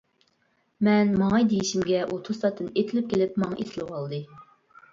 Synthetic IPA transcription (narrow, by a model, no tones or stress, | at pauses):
mɛnmɑŋɑjd̪ejiʃimɡʲɛʔut̪ʰost̪ɑt̪ʰːɨnet̪ʰɪlɪp̚kʲelɪpmɑŋɑ̰ʔeslɨwɑlˠd̪ɨ